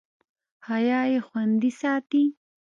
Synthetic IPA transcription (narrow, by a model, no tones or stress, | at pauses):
hajɑːjexwand̪isɑːt̪i